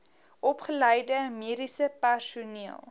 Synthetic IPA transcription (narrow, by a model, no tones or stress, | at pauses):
ʔɔpχələjdəmiəɾisəpærsuniəlˠ